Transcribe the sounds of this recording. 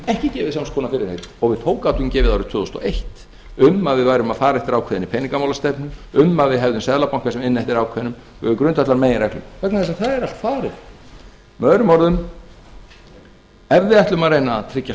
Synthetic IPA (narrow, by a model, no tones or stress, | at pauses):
ɛhcɪcɛːvɪðsamskʰɔnafɪɾɪɾ̥hejt̪ɔɣvɪðt̪ʰowkawt̪ʏmcɛːvɪðawɾɪt̪ʰʏːðɔst̪ɔ̰ejht̪ | ʏmaðvɪðvaːjɾʏmaðfaːɾaɛft̪ɪɾawkʰvɛːðɪnipʰɛːjniŋkamawlast̪ɛpnʏmʏmːaðvɪðɦɛvðʏmsɛðlapawŋ̥kasɛmɪnːɛft̪ɪɾawkʰvɛðnʏm | ɛvɪkɾʏnt̪aht̪aɾmeːjɪɾɛklʏ̰mkʰvɛknaðθɛsaθaðɛɾalt̪faːɾɪɾ̥ | mœːðɾʏmɔɾðʏm | ɛɾvɪðɛht̪lʏmaðrejnat̪ʰɾɪcːa